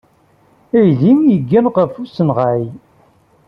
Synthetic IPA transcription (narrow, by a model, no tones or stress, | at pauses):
æjlimjəɡːænʁəfusənʁaʕi